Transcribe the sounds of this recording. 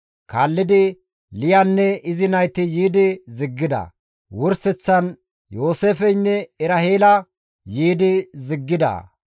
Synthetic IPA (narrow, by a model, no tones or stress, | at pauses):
ka̰ːlːɪd̪ɪ | lɪjɐnːɛɪzɪnɐjt̪ɪjiːd̪ɪzɪɡːɪd̪ɐ̰ | wɔɾsɛt͡sːɐn | jo̞ːseːfɛjnːɛɛɾɐheːlɐ | jiːd̪ɪzɪɡːɪd̪ɐ̰